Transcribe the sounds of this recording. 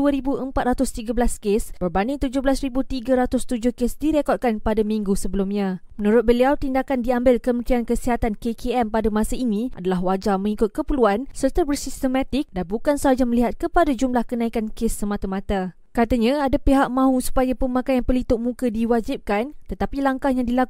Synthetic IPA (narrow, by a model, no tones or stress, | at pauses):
uəɾibuəmpat̪̚ɾat̪ʊst̪iɡabəlaskesb̥ərbanit̪ud͡ʒʊhbəlasribut̪iɡaɾat̪ʊst̪ud͡ʒʊhkesdiɾekɔt̪̚kanpadamĩŋɡusəbəlumɲãmənũɾʊt̪̚bəliawt̪indakandiambɪlkəmət̪ɾiankəsiɦat̪ankekeɛmpadamãsainĩʔa̰dalaɦwad͡ʒamə̃ŋikʊt̪̚kəpəluansərt̪abərsist̪əmãt̪ɪk̚danbukansəɦad͡ʒaməliɦat̪̚kəpadad͡ʒumlahkənãikankesːəmat̪amãt̪a | kat̪aɲãadapeɦaʔ̚mãɦũsu̥pajapəmãkajanpərlit̪ʊʔ̚mũkədiwad͡ʒip̚kant̪ət̪apilaŋkahjaŋdilak